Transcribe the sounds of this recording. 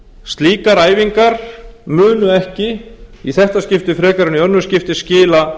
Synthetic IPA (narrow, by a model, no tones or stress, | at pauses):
st̪liːkaɾaːjviŋkaɾ̥mʏːnʏɛhcɪiθɛht̪ascɪft̪ɪfɾɛːkaɾɪniœnːʏscɪft̪ɪscɪːla